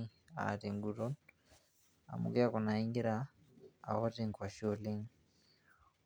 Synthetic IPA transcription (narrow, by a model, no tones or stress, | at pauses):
a̰tiŋɡuɾon | a̰mṵɡeakunaiŋɡiɾa̰ː | watiŋkwaʃoliŋ